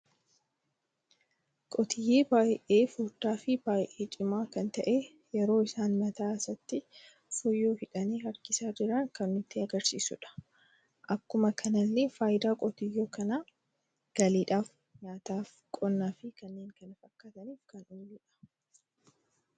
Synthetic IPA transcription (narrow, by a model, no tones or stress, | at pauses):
kʼɔt̪ɪjːeːbaːjʔeːfuːɾd̪aːfɪb̥aːjʔeːt͡ʃʼɪmaːkɐnt̪ɐʔeː | jɛɾo̞ːɪsaːnmɐt̪aːsɐt̪ːɪ | fɔjːoːhɪᶑɐniːhɐɾkɪsaːd͡ʒɪɾɐŋkɐnːʊt̪ːɪɐɡɐɾsiːsʊ̰ᶑɐ̥ | ʔɐkːʊmɐkʰɐnɐlːefaːjd̪aːkʼɔt̪ɪjːoːkɐnaː | ɡ̥ɐliːᶑaːf | ɲaːt̪aːf | kʼɔnːaːfɪkɐnːe̞ːŋkɐnɪfɐkːɐt̪ɐniːfkɐnuːliːᶑɐ̥